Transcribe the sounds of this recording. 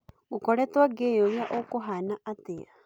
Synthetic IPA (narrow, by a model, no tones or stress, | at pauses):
ukɔɺɛt̪waɡejɔβjaʔokɔɦanaʔat̪ɪa̰